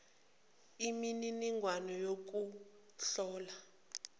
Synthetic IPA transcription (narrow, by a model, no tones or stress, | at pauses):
imininiŋwanɔjok̬u | ɬɔːla